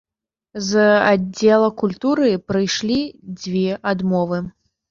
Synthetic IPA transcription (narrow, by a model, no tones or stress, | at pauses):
zad͡zʲːɛlˠɐkulʲt̪uɾɨpɾɨjʂlʲid͡zʲvʲɛʔad̪mɔvɨ